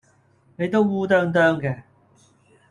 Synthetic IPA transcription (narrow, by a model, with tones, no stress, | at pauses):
ne˨˧jt̪o˥wːuː˥t̪̬œː˥ŋt̪œː˥ŋkɛː˧